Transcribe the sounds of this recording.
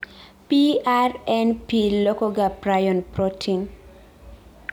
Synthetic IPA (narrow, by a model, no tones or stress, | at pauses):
piarɛnpilɔkɔɡapɾajɔnpɾɔtʰiŋ